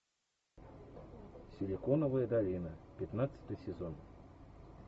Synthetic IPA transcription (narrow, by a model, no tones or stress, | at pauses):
sʲɪlʲɪkonəvəjəd̪ɐlʲinəpʲɪt̪nat̪sɨ̥t̪ɨjsʲɪzon